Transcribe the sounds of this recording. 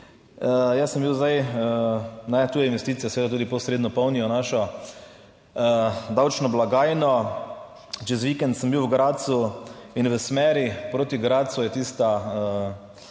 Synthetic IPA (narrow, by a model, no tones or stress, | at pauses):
əjɛsːəmbiwzd̪ajənat̪uːjɛinʋɛst̪iːt̪ijɛsʋeːd̪at̪uːd̪ipɔsɾed̪nɔpɔwnijɔnaʃɔ | əd̪awt͡ʃnɔblaɡaːjnɔ | t͡ʃɛzʋikɛnt̪səmbiwɡɾat̪suinʋəsmɛːɾipɾoːt̪iɡɾaːt̪sujɛt̪iːst̪aə